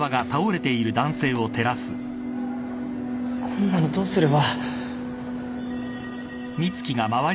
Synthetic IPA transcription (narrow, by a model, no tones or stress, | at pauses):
βaɡat̪aoɾe̞t̪e̞iɾɯ̟d̪ãɰ̃se̞ːo̞t̪e̞ɾasɨ | kʰõnːanod̪o̞ːsɨɾeβa | mʲit͡sɨ̥kʲiɡamaβa